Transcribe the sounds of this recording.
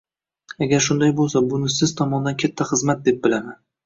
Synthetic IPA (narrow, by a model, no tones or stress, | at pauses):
aɡʲaɾʃʊnd̪ajbolˠsabʊnɪsɪz̥t̪ʰɒmɒnɪd̪ankʲʰat̪ʰːaχɨzmat̪̚d̪e̞p̚bɪlaman